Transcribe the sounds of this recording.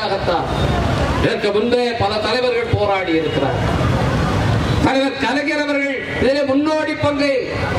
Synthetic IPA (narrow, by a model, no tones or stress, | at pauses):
aɣɐt̪ːaːlʔɪnɐkːɐmʊnbejɐpɐlɐt̪ɐlɐɪʋɐɾɣɐɭpoːɾaːɽiɪɾɯkːɪra̰ːɾ | t̪ɐlɐɪʋɐɾk̪ɐlɐɣɪɾɐʋɐɾɣɐɭ | ɪðɪleːmʊnːoːɽipːɐŋɡɯ